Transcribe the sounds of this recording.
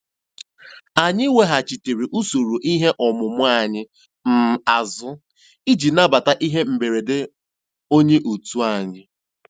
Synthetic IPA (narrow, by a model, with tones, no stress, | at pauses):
a˨ɲɪ˦we˦ɦa˨t͡ʃi˨te˨ɾi˨ʔu˦so˨ɾu˨ʔi˦ɦe˦ʔɔ˨mʊ˨mʊ˦a˨ɲɪ˦ | m̩˦˨a˨zʊ˦ | i˦d͡ʒi˨na˦ba˨ta˦ʔi˦ɦe˦m̩˨be˨ɾe˨dɪ˦ | o˦ɲe˦ʔu˨tu˦a˨ɲɪ˦